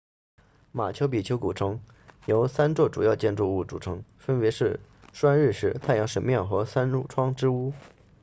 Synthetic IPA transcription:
ma˨˩t͡ɕʰjo˧˥ʊp̬i˨˩t͡ɕʰjo˧˥ʊku˨˩ʈ͡ʂʰɤ˥ŋ | jo˧˥ʊsa˥nt͡swɔ˥˩ʈ͡ʂu˨˩jɑ˥˧ʊt͡ɕjɛ˥˧nʈ͡ʂu˥˧u˥˩ʈ͡ʂṵ˨˩ʈ͡ʂʰɤ˧˥ŋfə˥npɛ˧˥ʂɻ̩˥˩ʂwa˥nɻɻ̩˥˧ʂɻ̩˥˧˥t̪ʰa˥˩jɑ˧˥ŋʂə˨˥nmjɛ˥˩nxɤ˧˥sa˥n˥ʈ͡ʂʰwɑ˥ŋʈ͡ʂɻ̩˥u˥

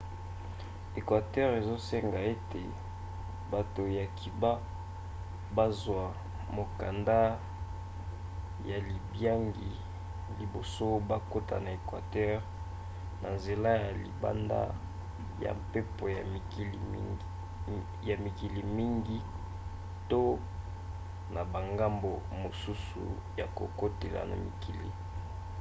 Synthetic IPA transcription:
e˨kwa˨tɛ˦ʁe˨zo˦se˦ŋɡa˨e˦te˨ | ba˨to˨ja˨kʰi˨ba˦ | ba˦zwa˨ | mo˨ka˨nda˦ | ja˨li˨bja˦ŋɡi˨ | li˨bo˨so˦ba˦ko˦ta̰˨na˨e˨kwa̰˨tɛ˦ʁ | na˨nze˨la˦ja˨lḭ˨ba̰˦nda̰˦ | ja̰˨mpe˦po˨ja˨˦˨ | ja˨mi˨ki˨li˨mi˦ŋɡi˦ | to˦ | na˨ba˨ŋɡa˦mbo˨mo˨su˦sṵ˨ | ja˨ko˨ko˦te˨la̰˨na̰˨mḭ˨ki˨lḭ˨

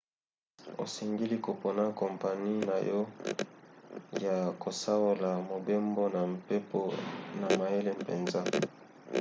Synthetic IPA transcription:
o̰˨se˨ŋɡi˦li˦ko˨po˨na˦kɔ˨mpa˨ni˦na˨jɔ˦ | ja˨ko˨sa˦wo˦la˨mo˨be˦mbo˦na˨m˨pe˦po˦na˨ma˨je˦le˦mpḛ˨nza˦

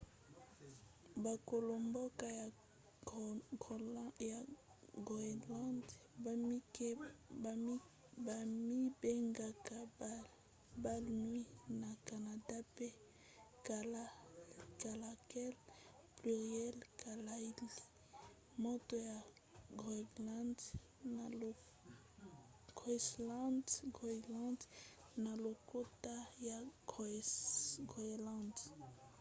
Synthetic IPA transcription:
ba˨ko˨lo˨mbo˦ka˦ja˨ | ɡja˨ɡi˨la˦nd | ba˨mi˦be˦ŋɡa˨ka˨ | ba˦lnwi˦na˨ka˨na˨da˦pe˦ | ka˨la˦ka˨la˨kɛ˦lply˨ʁjɛ˦lka˨la˦i˦li˨ | mo˦to˦ja˨ | ɡʁi˨ɡla˦nd | na˨ | ɡsla˦ndɡʁi˨lã˦nd | na˨lo˨ko˦ta˦ja˨ɡ | ɡʁlã˦˨nd

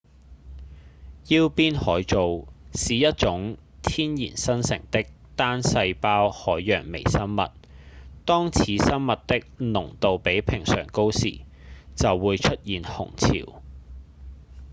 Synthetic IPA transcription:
jiː˥wpiː˥nhɔː˨˥jt͡so˨wsiː˨jɐ˥t̚t͡sʊ˨˥ŋ | t̪ʰiː˥njḭː˨˩nsɐ˥nsɪ̰˨˩ŋt̪ɪ˥k̚ | t̪aː˥nsɐ˧jpaː˥whɔː˨˥jːœː˨˩ŋmḛ˨˩jsɐ˥mmɐ̰˨t̚t̪ɔː˥ŋt͡sʰiː˨˥sɐ˥nmɐ˨t̚t̪ɪ˥k̚nʊ˨˩ŋt̪o˨wpe˨˥jpʰɪ˨˩ŋsœ̰ː˨˩ŋko˥wsḭː˨˩ | t͡sɐ˨wːuː˨˧jt͡ʃʰɵ˥t̚jiː˨nhʊ̰˨˩ŋt͡sʰḭː˨˩w

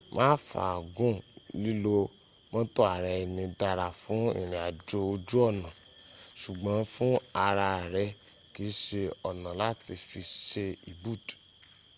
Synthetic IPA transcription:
mãː˦fa̰˨ɡũ˦˨li˦lo˧ | mã˦to˦a˨ɾɛ˧i˨nĩ˧da˧ɾa˨fũ˨˦ḭ˦˨ɾ̃ĩ˨a˨d͡ʒo˧o˧d͡ʒu˦ɔ˦˨nã˨ | ʃu˨ɡ͡bã˨˦fũ˦a˧ɾa˧a˨ɾɛ˧˦ | ki˨˦ʃe˧ɔ˨nã˨la˦ti˧fi˧ʃe˧i˨bu˦˨d

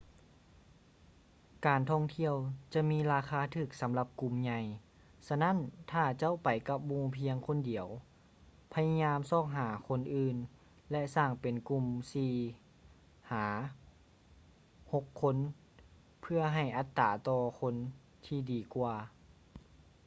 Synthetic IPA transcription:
kaː˨˩nt̪ʰɔ˧˩˨ŋt̪ʰi˧˥˨əwt͡ɕa˧˦miː˧˥˨laː˧xʰaː˧˥˩t̪ʰɯː˧˩k̚sa˨˦mla˧p̚ku˧˩mɲa˧˩j | sa˧na˦˥˨nt̪ʰaː˧˩t͡ɕa˧˥˨wpa˨˩jka˧˥p̚muː˧˩pʰi˧əŋkʰo˧˥˨ndi˨˩˦əw | pʰa˧ja˧ɲaː˧˥msɔː˧˩k̚ɦaː˩˦kʰo˧˥˨nʔɯː˧n | lɛ˧˥saː˧˩ŋpe˨˩nku˧˩msiː˧˩ | haː˩˦ | ho˧˥kʰːo˧˥˨n | pʰɯ˧ɐɦa˧˩jʔa˧˦t̪ːaː˨˩t̪ɔː˧kʰo˧˥˨n | t̪ʰiː˧diː˨˩kwaː˧˩

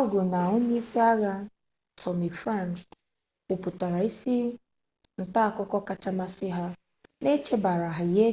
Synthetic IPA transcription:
ɡo˨na˨o˦ɲe˦i˦si˦a˦ɣa˦ | tʰɔ˨mi˨fɾa˦˨nks | u˨pu˨ta˨ɾa˨i˦si˦ | n̩˨ta˦a˨kɔ˦kɔ˦ka˦t͡ʃa˦ma˦sɪ˦ɦa˦ | ne˦t͡ʃe˦ba˨ɾa˨ɦa˨i˨ɦe˦

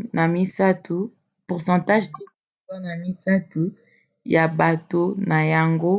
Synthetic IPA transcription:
nʔa˨mi˦sa˦tʰu˨ | pu˨ʁsɑ̃˨ta˦ʒki˦ɔ˨a˦na˨mi˦sa˦tu˨ | ja˨ba˨to˦na˨ja˨ŋɡo˦

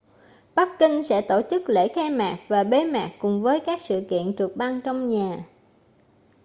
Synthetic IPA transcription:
ɓa˦˥k̚kï˧ŋ̟sɛ̰˧˥t̪o˧˩t͡ɕɨ˦˥k̚lḛ˧˥xɛ˧maː˨˩k̚vaː˨˩ɓe˨˦maː˨˩kkʊ˨˩ŋ͡mvəː˨˦jkaː˦˥k̚sɨ̰˧˨kḭ˧˨ənt͡ɕɨ˨˩ək̚ɓa˧ŋt͡ɕɔ˧wŋ͡mɲaː˨˩

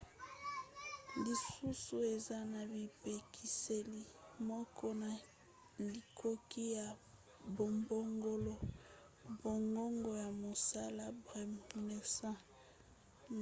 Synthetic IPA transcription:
li˨su˦su˨e˨za˦na˨bi˨pe˨kʰi˨se˨li˦˨mɔ˦kʰɔ˦na˨ | li˨kʰo˦ki˦ja˨ | bo˨mbo˦ŋɡo˦lo˦ | bo˨ŋɡo˦ŋɡo˨ja˨mo˨sa˦la˦bʁɛ˨m˨ne˨sã˦

